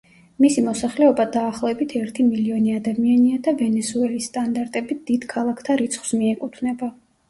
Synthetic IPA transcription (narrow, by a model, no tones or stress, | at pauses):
misimɔsaχlɛɔbad̪aːχlˠɔɛbit̪ʰɛɾt̪ʰimiliɔniad̪amianiad̪avɛnɛsuɛlisːt̪ʼand̪aɾt̪ʼɛbid̪̥id̪̥kʰalˠakʰt̪ʰaɾit̪sʰχwsmiɛkʼut̪ʰnɛba